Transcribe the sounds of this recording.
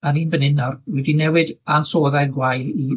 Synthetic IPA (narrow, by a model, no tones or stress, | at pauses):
aɾiːnbənɪnɔrwɛdinɛwɨdansoːðaɡwajli